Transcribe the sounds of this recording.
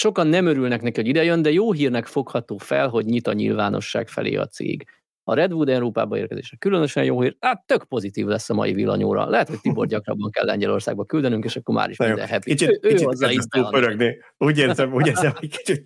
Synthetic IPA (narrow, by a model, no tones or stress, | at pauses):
ʃokɒnːɛmøɾylnɛknɛkiho̞ɟid̪ɛjønd̪ɛjoːɦiːrnɛkfo̞khɒt̪oːfɛlɦo̞ɟɲit̪ɒɲḭlvaːno̞ʃːa̰ːkfɛ̰lḛːɒ̰t̪sḛːɡ | ɒɾɛd̪vuːd̪ɛwɾoːpa̰ːbɒeːrkɛzḛːʃɛkylønøʃɛ̰njoːɦiːraːt̪ːøkpo̞zit̪iːvlɛsːɒmɒ̰jivilːɒ̰ɲo̰ːɾɒ̰lɛɦɛt̪ho̞c̚t̪iborɟɒkrɒ̰bːɒŋkɛ̰lːɛ̰ɲɟɛlo̞rsaːɡ̚bɒkyld̪ɛnyŋkeːʃɒkːo̞ɾma̰ːɾiʃmid̪ɛ̰ɦɛpiit͡ʃːøiːt͡ʃɒzːɒiopøɾøɡne | uːɟeːrzɛmuːɟeːɾzɛmoki̥t͡ʃit̪